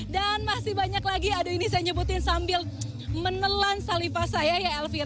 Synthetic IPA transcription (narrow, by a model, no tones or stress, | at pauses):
danmasɪhbaɲaklaɡiadainis̬ajaɲəbut̪ɪnsambɪl | mənəlansalifasajajaɛlfiɾ